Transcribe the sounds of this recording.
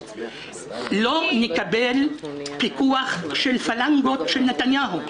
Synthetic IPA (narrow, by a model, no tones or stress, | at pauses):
lo̞nekabelpikuaχʃelfalaŋɡotʃelnetanjaɦu